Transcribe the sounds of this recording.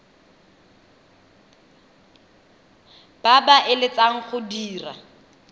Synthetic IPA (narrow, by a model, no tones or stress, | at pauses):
b̥abaʔɪlɪt͡saŋ̩χʊdiːra̰